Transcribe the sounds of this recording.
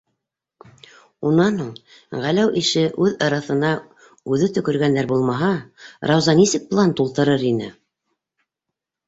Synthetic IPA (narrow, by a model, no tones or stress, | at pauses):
unɑnɤɴ | ʁælæwʔiʃɘʔʉðɑɾɑθɤ̆nɑ | ʉðɘt̪ɵ̆kɵ̆ɾɡænd̪æɾbulˠmɑɦɑɾʔɑwzɑnisɘk̚plˠɑnt̪ulˠt̪ɤ̆ɾɤɾinɘ̰